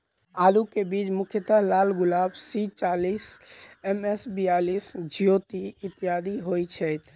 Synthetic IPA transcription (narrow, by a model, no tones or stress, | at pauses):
alukebid͡ʒmʊkʰjət̪əɦlalɡʊlabsit͡ʃalisemesbijalisd͡ʒijot̪iit̪ːijad̪iɦojt͡ʃʰəjt̪ʰ